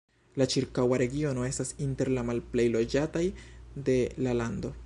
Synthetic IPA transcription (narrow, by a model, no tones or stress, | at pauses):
lat͡ʃiɾkawaɾe̞ɡio̞no̞e̞stasinte̞ɾlamalple̞jlo̞d͡ʒatajde̞lalando̞